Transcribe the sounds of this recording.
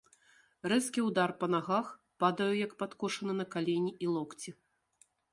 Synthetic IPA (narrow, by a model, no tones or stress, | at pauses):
rɛskʲiwd̪arpɐnaɣax | pad̪ɐjujɐkpat̪kɔʂɐnɨnɐkalʲenʲiʔilˠɔkt͡sʲi